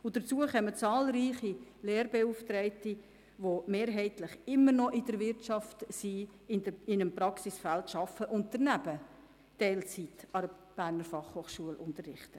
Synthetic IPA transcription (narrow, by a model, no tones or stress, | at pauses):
ʊd̥əɾt͡suəχœmət͡sɑːlɾiːχileːɾbeuft̪ɾɛɪti | ʋomeːɾɦɛɪtləχɪmːəɾnɔʔɪd̥əɾʋɪɾtt͡ʃɑftsiɪdɪnəmprɑksisfæltʃɑfəʔʊnt̚d̥əɾnæbə | tɛɪlt͡sitɑɾə | b̥æːɾnəɾfɑχhoːχʃuəlʔʊntərːɪχtə